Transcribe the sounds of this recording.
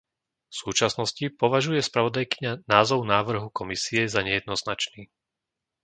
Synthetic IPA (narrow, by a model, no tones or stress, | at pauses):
fsuːt͡ʃasnɔscipɔʋaʒujɛspɾaʋɔd̪ajkiɲanaːzɔʊnaːʋr̩ɦukɔmisiɛzaɲɛjɛd̪nɔznat͡ʃniː